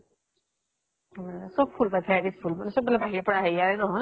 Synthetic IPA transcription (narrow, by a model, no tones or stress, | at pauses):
sɔb̚pʰulpatʰajɾispʰulmanɛsɔb̚bɛlabʱaɦiɹɛpɔɹaɦeaɾɛnɔɦɔj